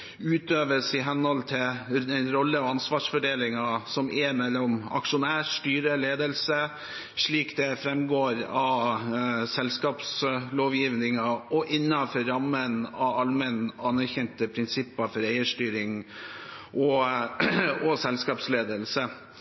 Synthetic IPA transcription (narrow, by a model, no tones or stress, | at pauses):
ʉːt̪øːʋəsɪɦɛnhɔlt̪ʰɪlɛnɾɔlːəɔɑnsʋɑːʂfɔɖeːlɪŋɑsɔmʔɛmɛlːɔmɑ̰kʂʊnæːʂʈyːɾəleːd̪əlsə | ʂɭiːkd̪ɛfɾɛmɡoːɾɑ | sɛlskɑːpsloːʋjiːʋnɪŋɑɔʔɪnːɑfɔɾɑmːənɑɑlmənɑnːæɾçɛnt̪əpʰɾɪnsɪpːɑfɔɾeɪəʂʈyːɾɪŋ | ʔɔ | ɔsɛlskɑːpsleːd̪əlsə